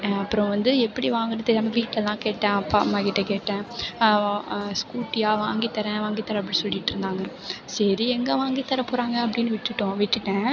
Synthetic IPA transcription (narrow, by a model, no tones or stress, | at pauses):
ɐpːɯɾɔ̃ʋɐnd̪ɯɛpːɐɽiʋaːŋɡɐɾɐt̪ːɐɾaːmɐʋiːʈlɛlːãːkeːʈːɛ̃ːɐpːa̰ːmaːkɪʈːɐkeːʈːɛ̃ː | skuːʈːɪjaːʋaːŋɡit̪ːɐɾɛ̃ʋaːŋɡit̪ːɐɾɐɐp̬ːɐɽĩsɔlːɪʈːɪɾɯnd̪aːŋɡɐ | sɐɾiɛŋɡɐʋaːŋɡit̪ːɐɾɐpʊːɾaːŋɡɐɐp̬ːɐɽɪnːɯʋɪʈːɯʈːʊ̃ʋiʈːɯʈːɛ̃ː